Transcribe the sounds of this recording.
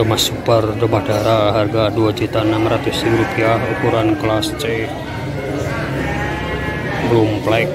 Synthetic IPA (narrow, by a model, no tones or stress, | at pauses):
omasupərdomad̥a̤ɾaɦarɡaduad͡ʒut̪aənamrat̪ʊsiuɾupiahṵkuɾanklast͡ʃe | ɾumplaɪk̚